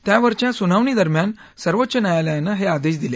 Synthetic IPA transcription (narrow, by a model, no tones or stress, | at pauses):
t̪jaʋəɾt͡ɕjasunaʋɳiːd̪əɾmjan | səɾʋot̪ːɕənjajaləjanəɦead̪eɕd̪ile